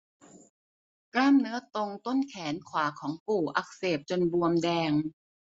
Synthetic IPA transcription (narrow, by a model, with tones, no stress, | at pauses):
klaː˥˩mnɯ˦˥ɐt̪o˧ŋt̪o˥˩nkʰɛː˩˦nkʰwaː˩˦kʰɔː˩˦ŋpuː˨˩ʔa˧˦˩k̚seː˨˩p̚t͡ɕo˧nbu˧əmdɛː˧ŋ